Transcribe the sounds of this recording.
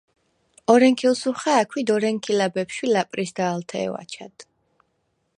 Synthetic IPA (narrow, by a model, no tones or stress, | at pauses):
ɔɾɛŋkʰilˠsuχaːkʰwid̪ɔɾɛŋkʰilabɛpʃwilapʼɾisd̪aːlˠt̪ʰɛ̰ːwa̰t͡ʃʰad̪̥